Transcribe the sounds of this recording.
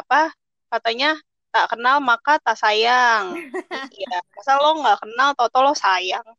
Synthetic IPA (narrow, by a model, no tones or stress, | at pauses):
apa | kat̪aɲa | t̪aʔkənalmakat̪aʔsajaŋjamasalɔŋɡaʔkənalt̪ɔt̪ɔlɔsajaŋ